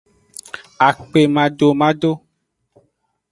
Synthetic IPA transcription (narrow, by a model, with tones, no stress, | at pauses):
a˨k͡pe˨mã˨ɖo˨mã˦ɖo˦